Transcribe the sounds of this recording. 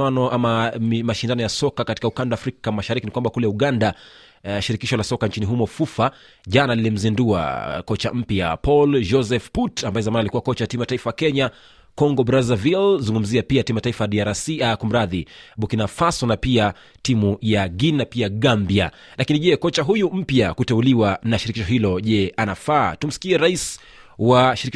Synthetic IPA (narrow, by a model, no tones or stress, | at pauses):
anɔamaimaʃindanɔjasɔkakati̥kaukandaːfɾikamaʃaɾikinikwambakulɛuɠanda | ʃiɾikiʃɔlasɔkant͡ʃiniɦumɔfufa | ʄanalilim̩zindua̰kɔt͡ʃa̰m̩pja̰pɔld͡ʒɔzɛfputambaɛzamanalikuwakɔt͡ʃajatimujataifajakɛɲa | kɔŋɡɔbɾazavilzuŋɡum̩ziapiatimujataifajaɗiaɾasikum̩ɾaðiɓukinafasɔnapia | timujaɡinnapiaɠambia | lakiniʄɛkɔt͡ʃaɦujum̩pjakutɛuliwanaʃiɾikiʃɔɦilɔʄɛʔanafaːtum̩si̥kiɛɾais | waʃiɾik